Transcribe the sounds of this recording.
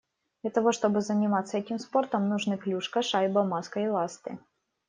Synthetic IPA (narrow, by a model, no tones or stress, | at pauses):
d̪lʲɐt̪ɐvo̞ʂt̪o̞bɨzənʲɪmat̪sːəɛtʲɪmspo̞rt̪əmnʊʐnɨklʲuʂkəʂajbɐmaskəɪlˠast̪ɨ̰